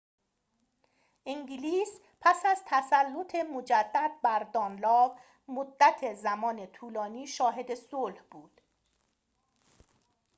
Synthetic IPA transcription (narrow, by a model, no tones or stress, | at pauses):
ʔiŋɟiliːs | pʰæsæzt̪ʰæsælːo̞t̪ʰe̞mo̞d͡ʒæd̪ːæd̪̚bæɾd̪ɒːnlɒːv | mod̪ːæt̪ʰe̞zæmɒːne̞t̪ʰuːlɒːniːʃɒːɦe̞d̪e̞solhbuːd̪̥